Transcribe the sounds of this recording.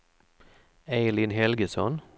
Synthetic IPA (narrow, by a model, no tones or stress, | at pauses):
eɪlɪnhɛlɡəsɔn